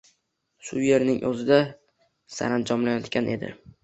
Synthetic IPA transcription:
ʃʊje̞ɾnɪŋʔɵzɪd̪a | sa̰ɾand͡ʒɒmlajɒt̪kʲanʔe̞d̪ɪ̰

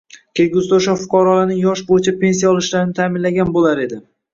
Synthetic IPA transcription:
kʲʰelɡʲʊzd̪aoʃafʊqʰɒɾɒlanɪŋjɒʃbojɪt͡ʃʰapʰe̞ns̬ijaɒlˠɪʃlaɾɪnɪt̪ʰamɪnlaɡʲanbolaɾe̞d̪ɪ

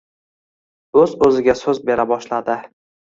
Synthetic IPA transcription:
ɵzɵzɪɡʲasɵzbe̞ɾabɒʃlad̪ɪ

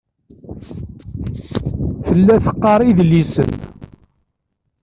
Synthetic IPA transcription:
θəlːæθə̥qːɑɾˤiðlisə̰n

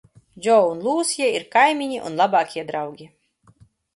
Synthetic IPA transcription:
d͡ʒɔunlˠuːsjɛiɾkajmʲiɲiʔṵnlˠabɑːkʲiɛd̪ɾawɡʲi

